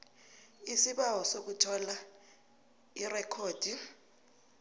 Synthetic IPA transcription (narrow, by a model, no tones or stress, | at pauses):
isiɓawɔsok̬utʰɔla | irɛkʰoːd̥ʱi